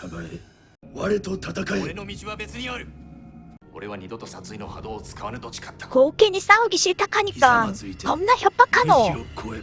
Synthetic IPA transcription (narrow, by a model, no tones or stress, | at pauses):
kaɡae | βaɾet̪o̞t̪at̪akaeɾenomʲiʑiβabe̞t͡sɨɲijoɾɯ̟ | o̞ɾe̞βaɲ̟id̪o̞t̪o̞sat͡sɨino̞ha̰d̪o̞ːt͡sɨ̥kaβanɯt̪o̞t͡ɕi̥kḁt̪ːḁkoːkeɲ̟isaoɡʲiɕit̪akaɲikaŋɨit̪eõnːaçopːakanookʰoe